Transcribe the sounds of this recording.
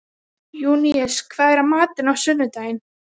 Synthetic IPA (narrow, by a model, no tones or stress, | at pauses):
juːniɛskʰvaðɾamaːt̪ɪnawsʏnːʏt̪aːjɪn